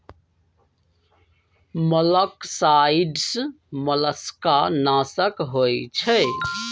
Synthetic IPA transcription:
mələksaiɖs | mələskanaːsəkɦojt͡ʃʰə

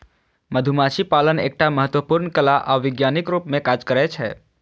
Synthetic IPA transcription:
məd̪ʱumaʃipaːlənḛːk̚ʈaməɦət̪wəpʊɾnkəlaʔaʋɪɡjaːnɪkɾuːpmẽkaːd͡ʒkəɾɛt͡ʃʰɛ̰ː

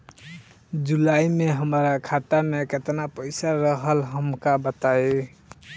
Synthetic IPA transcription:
d͡ʒulaimeɦəmɾakʰat̪ameket̪napəjsaɾəɦəlɦəmkabət̪ae

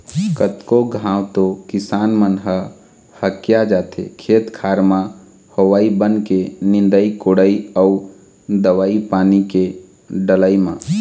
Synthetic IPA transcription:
kət̪koɡʱãːwt̪okɪsaːnmənɦə | həkjad͡ʒaːt̪ʰḛkʰeːt̪kʰaːɾmã | hoʋaːibənkenɪ̃nd̪əikoɽəiəu | d̪əʋaːipaːnike | ɖələimã̰

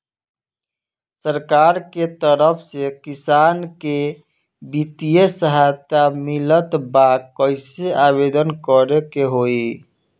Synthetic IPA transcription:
səɾkaɾket̪əɾəpʰsekisanke | bit̪ijesəɦajt̪amilət̪bakkːəɪseabed̪ənkəɾekeɦoi

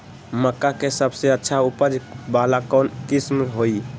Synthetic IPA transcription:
məkːakesəbʱseətːʃʰaupəd͡ʒbalakɔnkismɦoi

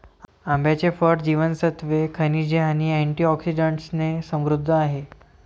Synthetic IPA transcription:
ambjat͡ɕefəɾʈd͡ʑiʋənsət̪ʋekʰənid͡ʑeaniɛɳʈiɔksid͡ʑəɳʈsnesə̃mʋɾud̪ʱːəaɦe

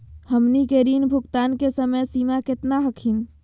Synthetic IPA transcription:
həmnikeɾinbʱʊɡt̪ankesəməjsimaket̪naɦəkʰin

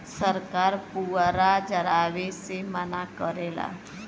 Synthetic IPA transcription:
səɾkaːɾpuɾad͡ʒəɾaːʋesemənakəɾeːla̰ː

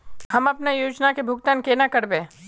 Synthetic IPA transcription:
hɐmɐpnejuːd͡ʒnakebʱʊɡt̪aːnkeːnakɐɾbẽː

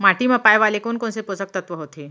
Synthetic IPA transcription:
maʈiməpajʋalekonkonsepod͡zək̚t̪ət̪ʋəɦot̪ʰe

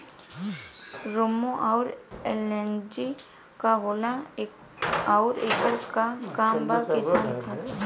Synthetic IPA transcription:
ɾomoʔɔːɾelɛnd͡ʒi | kaɦoːla | ɔːɾeːkəɾkakaːmbakɪsaːnt̪ʰa

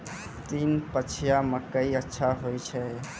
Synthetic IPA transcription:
t̪inpət͡ʃʰijaməkəiətːʃʰaɦojt͡ʃʰɛ

